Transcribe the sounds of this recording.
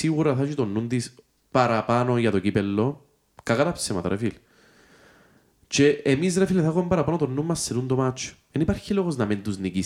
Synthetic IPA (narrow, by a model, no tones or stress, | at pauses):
iɣuɾɐθɐʃit̪onːund̪is | pɐɾɐpɐnojɐt̪ocipelːo | kɐkɐt̪ɐpsemɐ̰t̪ɐ̰ɾʔḛfil | t͡ʃeːmisɾefileθɐɣomembɐɾɐpɐnot̪onːumːɐsːenund̪omat͡ʃːo̥enipɐɾçiloɣoznɐmint̪uznici